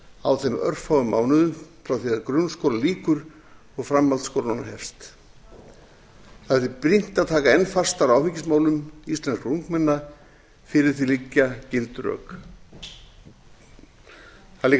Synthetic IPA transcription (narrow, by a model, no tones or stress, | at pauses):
awθejmœ̰r̥fawʏma̰ːwnʏðʏmfɾawθiaðkɾʏnskoːwɾaliːkʏɾ | ɔɣfɾamːalt̪skowɾaanaɦɛfst̪ | θaθipɾin̥t̪aðt̪ʰaːkaɛnːfarst̪aɾawfɪcːɪsmaːwlʏmist̪lɛnskuŋkmɛnːa | fɪɾɪɾ̥θilicːacɪlt̪rœ̰ːk | θali